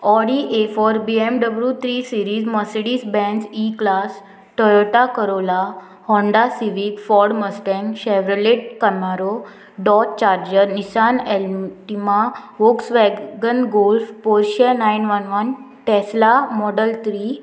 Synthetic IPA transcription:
ɔɽiʔefɔɾbiemɖəblut̪ʰɾisiɾiːd͡zməsɽiːsbɛ̃nsiklas | ʈɔɾoʈakəɾola | hɔ̃ɳɖasiʋikfɔɾɽməsʈɛ̃ŋɕɛʋɾəleʈ̚kəmaɾo | ɖɔt̚t͡ɕaɾd͡ʑəɾnisanɛlʈimaʋoksʋɛɡɡənɡolfpoɾɕenainʋənʋən | ʈɛslamɔɽəlt̪ʰɾi

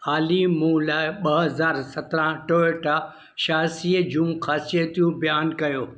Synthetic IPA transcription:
aːlimũːlaːɪɓɐɦɐzaːɾsɐt̪ɾãʈoːeʈa | ʃaːsid͡ʑũːmxaːset̪ʰijũbijaːnkɐjoː

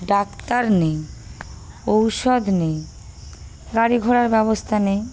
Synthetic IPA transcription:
ɖakt̪aɾne | owʃɔd̪nej | ɡaɽiɡʱoɽaɾbɛβost̪ʰanej

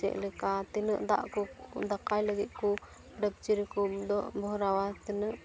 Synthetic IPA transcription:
t͡ʃɛ̰ʔlɛkat̪ɛnə̰ʔd̪a̰ʔkɔd̪akajləɡɛʔ̪̚kɔ | ɖəb̚t͡ʃiɾikɔd̪ɔʔbɔɾawat̪ɛnəʔ

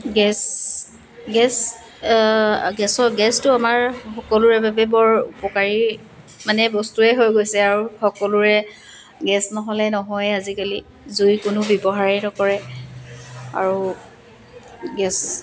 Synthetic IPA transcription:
ɡɛs | ɡɛs | ɡɛsɔɡɛstʊamaɹxɔkɔluɹɛbabɛbɔɹṵpɔkaɹi | manɛbɔstuɛɦojɡojsɛaɹuxɔkɔlʊɹɛ | ɡɛsnɔɦɔlɛnɔɦɔjazikali | zujkʊnʊbɔbɔɦaɹɛtɔkɔɹɛ | a̰ɹu | ɡɛs

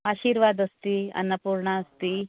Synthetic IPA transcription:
aɕiːɾʋad̪əst̪iɐ̰nəpuɾɳaːst̪i

